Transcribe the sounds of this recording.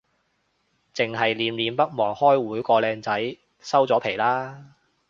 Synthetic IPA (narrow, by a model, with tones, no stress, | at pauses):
t͡sɪ˨ŋɦɐ˨jliː˨˧˥mliː˨˧mpɐ˥k̚mɔː˨˩ŋhɔː˥jwuː˨˥jkɔː˧lɛː˧ŋt͡sɐ˨˥j | sɐ˥wt͡sɔː˨˥pʰe˨˩jlaː˥